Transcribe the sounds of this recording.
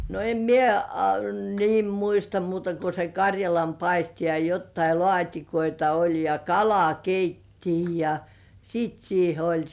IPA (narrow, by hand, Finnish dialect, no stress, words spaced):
no em mie ɑ niːm muistɑ muːtɑ ko se kɑrʲjɑlɑmpɑisti jɑ jotːɑi lŏɑˑtʲikoitɑ olʲ jɑ kɑlɑkeitːiː jɑ siːt siːhe olʲ